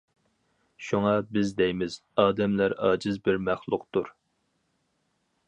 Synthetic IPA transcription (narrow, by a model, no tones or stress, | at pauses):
ʃuŋɑbɪzd̪ɛjmɪz̥ɑːd̪ɛmlæɾɑ̰ːd͡ʒɪzbɪɾmæχlˠʊqt̪uɾ